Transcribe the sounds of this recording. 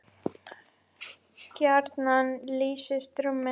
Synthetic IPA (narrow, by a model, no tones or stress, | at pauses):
kjaɾt̪nanliːsɪst̪ɾʏmɛ